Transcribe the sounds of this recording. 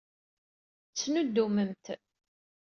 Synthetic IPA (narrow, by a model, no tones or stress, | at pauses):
t͡sːnud̪ːuməmt̪